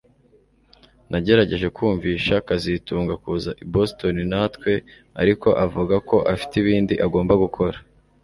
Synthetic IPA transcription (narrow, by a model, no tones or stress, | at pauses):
nʔaɟe̞ɾaɟe̞ʒe̞kuːɱviːʃakazituːŋɡakuːzaʔibosto̞ninatkwe̞ | a̰ɾiko̞ʔavuɡako̞ʔafi̥tiβiːndiʔaɡo̞ːmbaɡukʰo̞ɾa